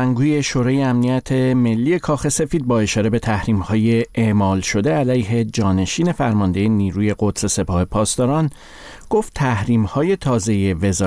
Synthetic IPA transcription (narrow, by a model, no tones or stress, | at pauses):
æŋɡuːje̞ʃoːɾɒːjeæmnijæt̪ʰe̞me̞lːiːe̞kʰɒːxe̞se̞fiːd̪̚bɒːe̞ʃɒːɾe̞be̞t̪ʰæhɾiːmhɒːje̞eʔmɒːlʃo̞d̪e̞ælæjɦe̞d͡ʒɒːne̞ʃiːne̞fæɾmɒnd̪e̞jeniːɾuːje̞ɡo̞t̪se̞se̞pʰɒːhe̞pʰɒːst̪ɒːɾɒn | ɡ̥o̞ft̪ʰːæhɾiːmhɒːje̞t̪ʰɒːze̞jeve̞zː